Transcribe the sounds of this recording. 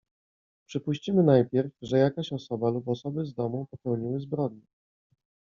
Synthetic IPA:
pʂɘpuɕt͡ɕimɘnajpʲjɛɾfʐɛjakaɕɔsɔbalupɔsɔbɘzd̪ɔmupɔpɛwɲiwɘzbɾɔd̪̚ɲɛ

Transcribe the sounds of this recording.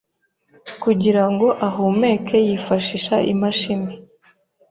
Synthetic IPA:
kuɟiɾaŋɡo̞ʔaɦume̞ːkʰe̞jifaʃiʃaʔḭmaʃine

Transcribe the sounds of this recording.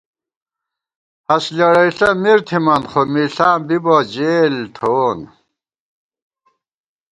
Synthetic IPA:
ɐslɐɽɐiɬɐmiɾt̪ʰimɐnχomiɬaːmbibod͡ʑeːlt̪ʰon

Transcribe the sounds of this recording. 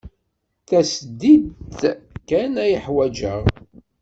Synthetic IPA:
θæsəd̪ːid̪ | kænæjəħwæd͡ʒəʁ

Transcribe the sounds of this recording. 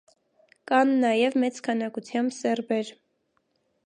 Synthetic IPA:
kɑnːɑjɛvmɛt͡skʰɑnɑkut͡sʰjɑmbsɛrbɛɾ

